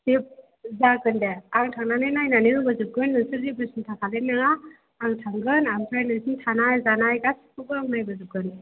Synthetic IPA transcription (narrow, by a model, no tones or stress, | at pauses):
sip̚ | zakɯndeaŋtʰaŋnanɯnajnaniɾubɯzɯp̚kɯnːɯsɯɾzibɯsintʰakʰalenːaŋaː | ŋtʰaŋɡɯnaŋpʰɾajnɯsintʰanajzanajɡasʰi̥kʰɯɡɯaŋnajbɯzɯp̚kɯn